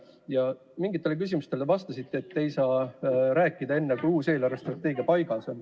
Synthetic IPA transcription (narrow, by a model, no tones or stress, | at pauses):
jɑ | miŋɡit̪ˑːe̞lek̬ys̬ʲimust̪e̞levɑst̪ɑsit̪ːˑeːt̪ːe̞jsɑːɾæːkːˑid̪̥ɑe̞nːekujuːse̞ːlɑrvest̪rɑt̪ːˑe̞ːɡiɑpɑjɡ̥ɑso